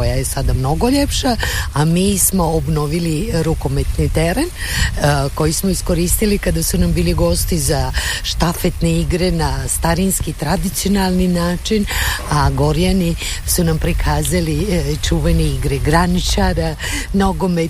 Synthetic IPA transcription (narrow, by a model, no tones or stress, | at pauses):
ojajesad̪amno̞ɡo̞ʎepʃaamiːsmo̞ːbno̞ʋiliɾuko̞met̪nit̪eɾen | ko̞jismoisko̞ɾist̪ilikad̪asunambiːliɡo̞st̪izaʃt̪afet̪neiɡɾenast̪aɾinskit̪ɾad̪it̪sio̞nalˠninaːt͡ʃinaɡo̞ɾjanisunampɾikʰaːzalit͡ʃuːʋeneiɡɾɛɡɾanit͡ʃaɾa | noɡome